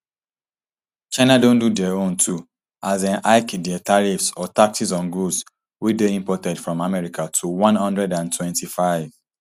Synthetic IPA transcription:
t͡ʃaɪ̃nadõndudɛõntʰu | ʔazãnaɪkdɛtʰaɹifsɔtak̚sisɔ̃nɡus | wideĩmpɔtɛdfɹɔ̃mamɛɹikatʰuwɔ̃nhʌ̃ndɹɛdãntʰwɛ̃ntifaɪv̥

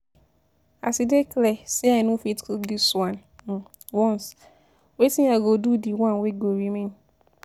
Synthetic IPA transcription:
a̰sidekʰlɛsɛanũfitkʰudiswãn | wɔ̃ns | wetĩnaɡodudiwãnweɡowimɛ̃n

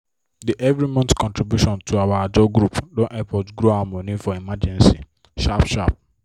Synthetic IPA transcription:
diʔɛvɾimɔ̃ntkɔ̃ntɾibjuʃɔ̃ntʰoawaad͡ʒɔɡɾupdɔ̃ʔɛpɔdɡɾoamonifɔimad͡ʒɛ̃nsi | ʃapʃap̚

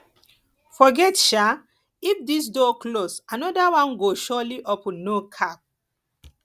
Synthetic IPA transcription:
fɔɡɛtʃa | ifdis̬dɔklosanɔdawãnɡoʃɔliʔɔpnːokʰap̚

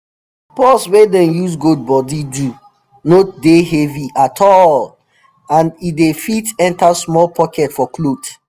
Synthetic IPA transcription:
pɔswedɛ̃njus̬ɡod̚bɔdidu | nodeheviʔatʰɔl | ãnidefitɛ̃ntasmɔlpʰɔkɛtfɔklod

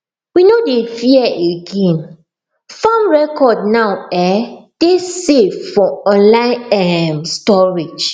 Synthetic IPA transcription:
winodefiɛʔeɡẽn | fãmɹɛkɔdnawɛd̥esevfɔ̃ɔ̃nlãɪ̃nɛmstɔɹid͡ʒ

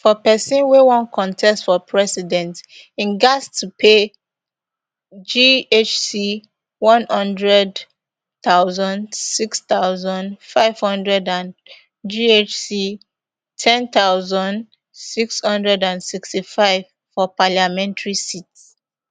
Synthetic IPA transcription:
fɔpɛsĩnwewɔ̃nkʰɔ̃ntʰɛstfɔpʰɹɛsidɛ̃nt | ĩnɡastʰupʰe | d͡ʒiet͡ʃsi | wɔ̃nhʌ̃ndɹɛd | t̪aʊzɔ̃ndsikst̪aʊzɔ̃nfaɪv̥hʌ̃ndɹɛdãn | d͡ʒiet͡ʃsi | tʰɛ̃nt̪aʊzɔ̃n | sikshʌ̃ndɹɛdãnsikstifaɪv̥ | fɔpaljamɛ̃ntɹisits

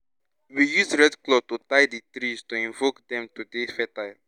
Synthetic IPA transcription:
wijusɹɛdklɔtutaɪditɾiztuĩɱvokdɛ̃mtudefɛtaɪl

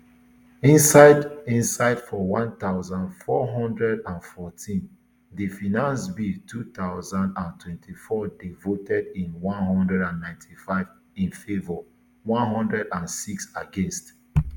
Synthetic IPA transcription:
ĩnsaɪdĩnsaɪd̥fɔwãntaʊzãndfɔɦɔ̃ndɹɛdãnfɔtʰĩn | difinãnsbitʰut̪aʊzãndãntʰwɛ̃ntʰifɔdevotʰɛdĩnwɔ̃nɦɔ̃ndɹɛdãnːãɪ̃ntʰifaɪv | ĩnfevɔ | wɔ̃nɦɔ̃ndɹɛdãnsiksaɡɛ̃nst

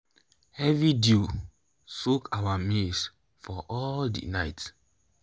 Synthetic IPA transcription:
hɛvidu | sukawamis | fɔʔɔldḭnaɪt

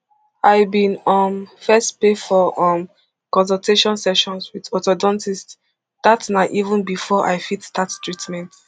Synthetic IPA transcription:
aɪbĩnɔ̃mfɛstpefɔʔɔm | kɔ̃ns̬ɔlteʃɔ̃nsɛʃɔ̃nswiðɔtɔdɔ̃ntist | d̥atnaʔivə̃nbifɔʔa̰ɪfitdattɹitmɛ̃nt

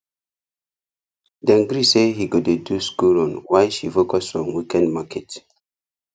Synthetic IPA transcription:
dãŋɡɾisehiɡodeduskulɔ̃nwajʃifokɔsfɹɔ̃mwikɛ̃ndmakʰɛt

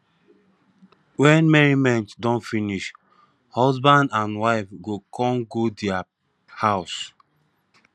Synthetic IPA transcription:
wɛ̃nmɛɹimɛ̃ntdɔ̃nfiniʃ | hɔzbãndãnwaɪfɡokʰɔ̃ŋɡodɛa | haʊs

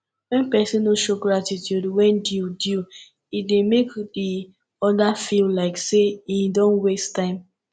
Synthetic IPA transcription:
wɛ̃npɛsĩnoʃoɡɹatitjudwɛ̃ndjudu | idemekdi | ɔdafillaɪkseidɔ̃nwestãɪ̃m

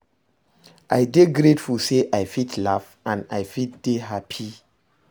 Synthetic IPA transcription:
ʔajdeɡɾetfulseʔajfitlaf | ãnajfit̚d̥eɦapʰi

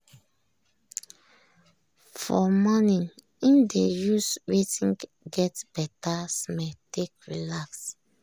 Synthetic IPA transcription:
fɔmɔnĩn | ĩndejuswetĩŋ | ɡɛtb̥ɛtasmɛtekɹḭlaks

